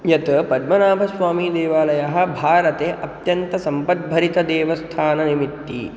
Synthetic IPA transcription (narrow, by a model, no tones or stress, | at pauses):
jɐt̪ɐpɐd̪mɐnaːbʱɐsʋaːmiːd̪eːʋaːlɐjɐɦɐ̆bʱaːɾɐt̪eːʔɐt̪jɐnt̪ɐsɐmpɐt̪̚bʱɐɾit̪ɐd̪eːʋɐst̪ʰaːnɐnimit̪ːḭ